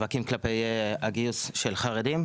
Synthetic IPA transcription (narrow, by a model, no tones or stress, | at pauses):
vakimklapejaɡiusʃelχaʁed̪im